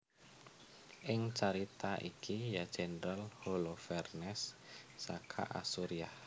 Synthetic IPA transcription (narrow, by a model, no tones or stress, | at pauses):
ʔɪŋt͡ʃaɾit̪aʔikʰijad̥d͡ʒ̥ɛnəɾalholofɛrnɛsːakʰa̰ʔa̰suɾiah